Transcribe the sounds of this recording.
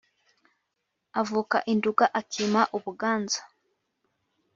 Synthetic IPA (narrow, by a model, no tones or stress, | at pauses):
avuːka̰ʔinduɡaʔakʰimaʔuβuɡaːnzḁ